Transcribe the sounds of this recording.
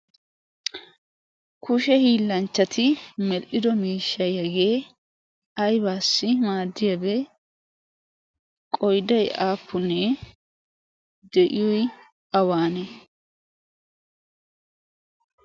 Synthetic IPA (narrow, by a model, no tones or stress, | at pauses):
kʊʃɛhiːlːɐnt͡ʃːɐt̪ʰɪmɛlʔɪd̪ɔmiːʃːɐjɐɡeː | ɐjbaːsːɪmaːd̪ːɪjɐbɛ | kʼɔjd̪ɐjʔaːpːʊnɛ | d̪ɛʔɪjɔj | ɐwaːnɛ